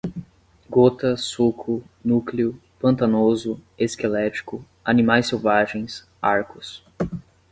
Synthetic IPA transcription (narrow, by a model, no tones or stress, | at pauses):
ɡot̪ɐsukʊ | nukliʊ | pɐ̃nt̪anozʊeskelɛt͡ʃi̥kʊ | ɐnimajsewvaʒẽj̃s | aɾkʊs